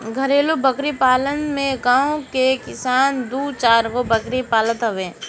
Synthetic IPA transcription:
ɡʱəɾeːlobəkɾipaːlənmẽɡãːõkekɪsaːnd̪uːt͡ʃaːɾkobəkɾipaːlət̪ɦɐʋẽː

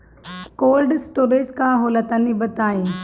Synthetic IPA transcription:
koːlɖsʈoːɾed͡ʒkãɦoːlət̪ənibət̪aːĩː

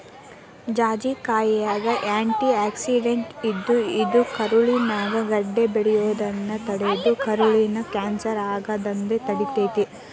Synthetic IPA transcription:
d͡ʒaːd͡ʒikaːjijaːɡɐʔaːɳʈiaːksiɖeɳʈid̪ːuid̪ukɐɾuɭinaːɡɐɡɐɖːe̞beɽɛjoːd̪ɐnːɐt̪ɐɽed̪ukɐɾuɭinɐkaːnsɐɾaːɡɐd̪ɐnd̪et̪ɐɽit̪eːt̪i

